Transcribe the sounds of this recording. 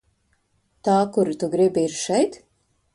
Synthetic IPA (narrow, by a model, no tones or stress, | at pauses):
t̪aːkuɾit̪uɡɾibiiɾʃɛjt̪